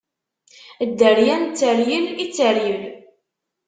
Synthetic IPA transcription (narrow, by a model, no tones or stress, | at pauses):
d̪ːəɾjænt͡sːəɾjəlit͡sːəɾjəl